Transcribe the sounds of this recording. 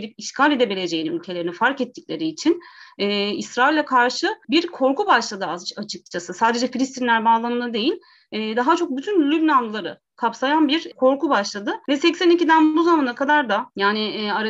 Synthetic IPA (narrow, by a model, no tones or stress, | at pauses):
lʲipiʃkʰaːlʲe̞d̪ebilʲe̞d͡ʒejininylʲcʰe̞lʲe̞ɾinifaɾkɛt̪ʰːiclʲe̞ɾiːt͡ʃʰinɛːisɾailʲːɛkʰaɾʃɯbiɾkʰo̞ɾkubaʃlˠad̪ɯazat͡ʃʰɯk̚t͡ʃʰasɯsaːd̪e̞d͡ʒɛfilʲist̪ʰinlʲæɾbaːlˠamɯnd̪ad̪e̞jilʲ | ɛːd̪aɦat͡ʃʰo̞k̚byt̪ʰynlʲybnanˠɯlˠaɾɯ̰ | kʰapsajanbiɾkʰo̞ɾkubaʃlˠad̪ɯvɛsɛcsænicid̪ænbuzamanakʰad̪aɾd̪ajaːnɪaɾ